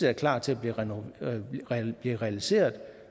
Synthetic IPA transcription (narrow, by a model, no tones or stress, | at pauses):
eæɐkʰlɑ̰̥̈ːt͡sʰe̝æb̥liʁ | b̥liːʁɛælise̝̰ːɐðˠ